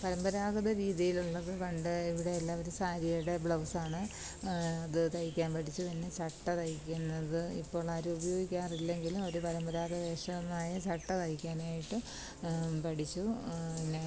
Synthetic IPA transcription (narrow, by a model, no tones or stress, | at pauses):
pɐɾɐmbɐɾaːɡɐðɐɾiːðijiluɭːɐðɨʋɐɳɖɨiʋiɽe̞ːlːaːo̞ɾusaːɾijɐjuɽe̞bɭɐwsaːɳɨ | ɐðɨt̪ɐjikʲːaːnpɐʈʰit͡ɕːut̪ɐnːe̞t͡ɕɐʈːɐt̪ɐjikʲːunːɐðɨḭpːo̞ːɭaːɾuubɐjo̞ːɡikʲːaːrilːe̞ŋɡilumo̞ɾupɐɾɐmbɐɾaːɡɐʋe̞ːʂɐmaːjɐt͡ɕɐʈːɐt̪ɐjikʲːaːnaːjiʈːɨ | pɐʈit͡ɕːuinːe